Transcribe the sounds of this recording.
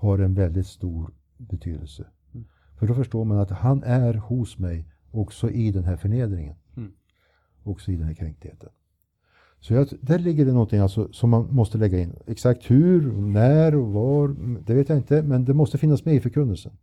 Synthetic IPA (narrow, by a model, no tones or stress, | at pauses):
haɾɛnvɛld̪ɪt̪st̪uːɾ | bɛt̪ʰy̰ːd̪əlsə | fœɖɔfœʂʈoːɾmanat̪hanʔæɾhʊsmɛj | ɔksɔʔɪd̪ɛnɦæɾfœɳeːd̪ɾɪŋə̰n | ɔksɔɪd̪ɛnhæːɾkʰɾɛŋk̚t̪hḛːt̪ʰən | sɔjɑd̪æɾɭɪɡːəɾɛnɔnt̪ʰɪŋalsɔsɔmːanmɔst̪əlɛɡːaɪnːɛksak̚t̪hʉɾnæːɾɔvaɾd̪ɛveːt̪jaɪnt̪əmɛnd̪ɛmɔst̪əfɪnːasmɛɪfœɾkʰɵnːəlsən